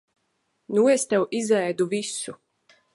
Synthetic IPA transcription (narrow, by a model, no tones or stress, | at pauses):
nuest̪ɛwizɛjd̪uvisu